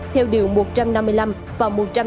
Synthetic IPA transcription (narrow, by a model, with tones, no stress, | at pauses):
t̪ʰɛ˧wɗi˨˩əwmo˨˩t̚t͡ɕa˧mna˧mːɨ˧əjla˧m | vaː˨˩mo˨˩t̚t͡ɕa˧